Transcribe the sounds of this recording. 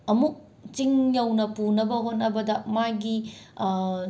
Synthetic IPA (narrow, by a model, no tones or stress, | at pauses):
ɐmuk̚ | t͡ʃiŋjɐwnɐpunɐbɐɦot̚nɐbɐdɐmaɡi